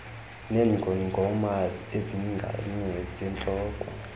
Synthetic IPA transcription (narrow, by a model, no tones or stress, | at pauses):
nɛŋɡʱɔniŋɡʱɔmazieziŋɡʱa̰ɲɛzɛnt͡ɬʼɔːkʼwɔ